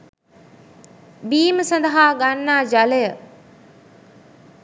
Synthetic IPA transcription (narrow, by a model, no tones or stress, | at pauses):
biːməsɐnd̪əɦaːɡanːaːd͡ʒalejə